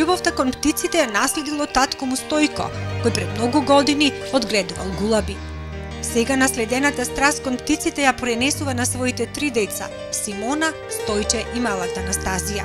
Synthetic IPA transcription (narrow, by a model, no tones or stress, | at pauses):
lubɔft̪akɔnpt̪it̪sit̪ɛjanaslɛd̪ilˠɔt̪at̪kɔmust̪ɔjkɔ̰kɔjpɾɛd̪mnɔɡuɡɔd̪ini | ɔd̪ɡlɛd̪uva̰lˠɡulˠabi | sɛɡanaslɛd̪ɛnat̪ast̪ɾaskɔnpt̪it̪sit̪ɛjapɾɛnɛsuvanasvɔit̪ɛt̪ɾid̪ɛt̪sa̰ | simɔna | st̪ɔjt͡ʃɛʔimalˠat̪aanast̪azija